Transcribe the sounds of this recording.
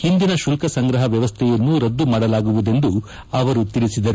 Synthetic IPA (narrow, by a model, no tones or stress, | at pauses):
hind̪inɐʃulkɐsɐŋɡɾɐɦɐʋjɐʋɐst̪ʰɛjɐnːuɾɐd̪ːumaːɽɐlaːɡuʋud̪e̞nd̪u | ɐʋɐɾut̪ilisid̪ɐɾu